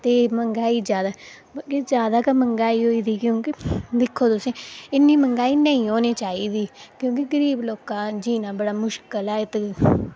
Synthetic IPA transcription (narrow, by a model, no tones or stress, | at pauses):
t̪eːməŋɡaːiːd͡ʒjaːd̪aː | bked͡ʒjaːd̪aːkəməŋɡaːiːɦoːiːd̪iːkjõːkɪd̪ɪkʰːoːt̪ʊsẽːɪnːiːməŋɡaːiːnəĩːɦoːneːt͡ʃaːiːd̪iːkjõːk̬ɪɡəɾiːbloːkãːd͡ʒiːnãːbəɽaːmʊʃkəlɛːɪt̪